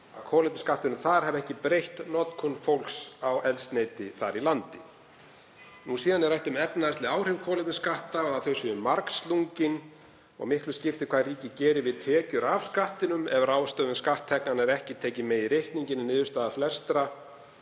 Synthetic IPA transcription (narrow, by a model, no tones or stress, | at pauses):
a̰kʰɔːlɪp̪nɪ̥skaht̪ɪnʏmθaɾ̥hɛvɛhcɪpɾejht̪nɔt̪kʰɔnfowl̥ksawʔɛlst̪nejt̪ɪθaɾilant̪ɪ | nusiːðanɛɾrajht̪ʏmɛpnaðɛst̪lɪaːwr̥ɪvkʰɔːlɪpnɪskaht̪aɔɣaθœɥsʏʏmːaɾksluɲcɪn | ɔ̰ɣmɪhklʏscɪft̪ɪkʰvariːcɪcɛːɾɪvɪðt̪ʰɛːcʏɾavskaht̪ɪnʏmɛvaɾaːwst̪œːðʏmskaht̪ʰːɛknanɛɾɛhcɪt̪ʰeːjcɪmɛðirejhk̪niɲcɪnnɪːðʏst̪aːðaflɛst̪ɾa